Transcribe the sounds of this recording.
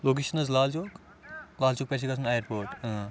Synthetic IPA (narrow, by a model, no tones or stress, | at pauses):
loːk̬eːʃɐnɐzlaːlt͡ʃoːk | laːlt͡ʃoːk̚pɛːt͡ʃʰekɐsʰɐnaːjəɾpoːɾʈ